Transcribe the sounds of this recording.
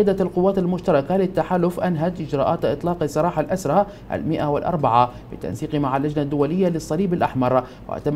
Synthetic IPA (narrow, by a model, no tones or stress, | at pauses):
ad̪alqʊwːaːt̪almʊʃt̪ɑɾˤɑkalɪt̪ːaħaːlʊfʔanɦad̪ʔɪd͡ʒɾˤɑːʔaːt̪ʔɪt̪ˤlɑːqsˤɑɾˤɑːħalʔasɾˤɑ | ʔa̰lmɪʔawɪlʔɑ̰ɾˤbaʕabɪt̪a̰nsiːqmaʕalːad͡ʒnad̪ːʊwalɪjːalɪsˤːɑliːbalʔaħmɑɾˤ | wɪ̰ʔt̪am